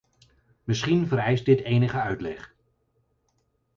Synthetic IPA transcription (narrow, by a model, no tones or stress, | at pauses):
mɪsχinvəɾɛjst̚dɪtejnəχəœɥtlɛχ